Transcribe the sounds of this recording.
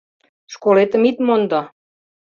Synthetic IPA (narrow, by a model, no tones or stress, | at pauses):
ʃkolet̪əmit̪mond̪ɑ